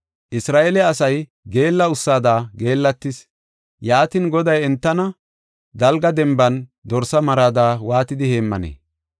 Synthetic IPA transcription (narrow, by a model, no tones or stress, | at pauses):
ʔɪsɾaːʔelɛɐsɐj | ɡe̞ːlːɐʊsːaːd̪aːɡe̞ːlːɐt̪ːɪs | jaːt̪ɪnɡɔd̪ɐjɛnt̪ːɐnɐ | d̪ɐlɡɐd̪ɛmbɐnd̪ɔɾsɐmɐɾaːd̪aːwaːt̪ɪd̪ɪheːmːɐ̰nḛː